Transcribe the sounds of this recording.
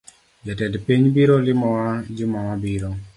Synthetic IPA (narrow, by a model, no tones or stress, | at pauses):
d͡ʒɛtɛdpiɲbiɾolɪmɔwad͡ʒɪmɔwabiɾo